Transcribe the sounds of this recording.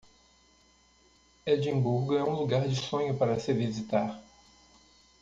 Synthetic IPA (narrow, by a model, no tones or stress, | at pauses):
ed͡ʒĩbuɾɡʊɛũluɡaɾd͡ʒɪsõɲʊpaɾɐsɪvizit̪aɾ